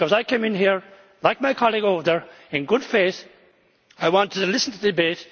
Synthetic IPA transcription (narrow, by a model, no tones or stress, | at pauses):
kʌzaɪkʰẽmɨ̃nɦiɹ | laɪk̚maɪkʰɑlˠiɡoðə˞ | ɨ̃nɡʊd̥feɪθ | aɪwɑ̃ntʰɨlɪsn̩tʰɨðdɨbet